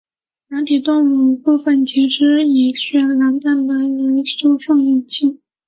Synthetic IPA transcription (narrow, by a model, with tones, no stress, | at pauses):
na˧˥nt̪ʰi˨˩t̪ʊ˥˧ŋu˨˩pu˥˧fə˥˩nt͡ɕʰi˧˥ʈ͡ʂ̩ʰ˥i˨˩ɕɥɛ˥˩la˧˥nt̪a˥˩npə˨˩li˧˥n˥su˥ʂɑ˥˧ŋji˥˩nt͡ɕʰi˥˩